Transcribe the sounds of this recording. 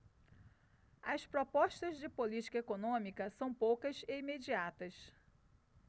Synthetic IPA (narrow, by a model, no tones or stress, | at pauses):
ɐspɾopɔʃt̪ɐzd͡ʒɪpolit͡ʃi̥kɐekonõmikɐsɐ̃w̃powkɐzeimed͡ʒiat̪ɐs